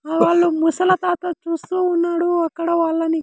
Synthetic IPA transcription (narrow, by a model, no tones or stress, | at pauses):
ʋaːɭːumusɐlɐt̪aːt̪ɐt͡ʃuːst̪uːnːaːɽuɐkːɐɽɐʋaːɭːɐni